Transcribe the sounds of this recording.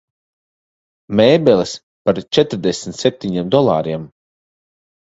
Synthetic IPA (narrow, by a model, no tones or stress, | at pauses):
mɛːbɛlis | paɾt͡ʃɛt̪ɾd̪esmʲt̪ʲsep̚t̪ʲiɲiɛmd̪ɔlˠa̰ːɾiɛm